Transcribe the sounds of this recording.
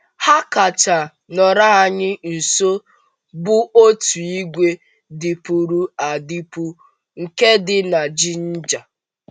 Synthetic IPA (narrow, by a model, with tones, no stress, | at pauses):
ha˦ka˨t͡ʃa˨ | nɔ˨ɾa˦a˨ɲɪ˦n̩˨so˦ | bʊ˦ʔo˦tu˨i˦ɡʷe˦ | dɪ˨pu˨ɾu˦a˨di˦pu˦ | ŋ̩˨ke˦dɪ˦na˨d͡ʒi˦n̩˦d͡ʒa˨